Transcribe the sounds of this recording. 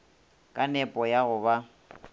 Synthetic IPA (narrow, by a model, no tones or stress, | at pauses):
kʼanɛpʼɔjaɣʊβa